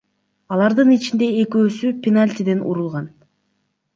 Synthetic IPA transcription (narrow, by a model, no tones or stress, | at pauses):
ɑlˠɑɾd̪ɯnit͡ʃind̪e̞eːkøːsypʲenalʲt̪ʲid̪e̞nṵɾulˠʁɑn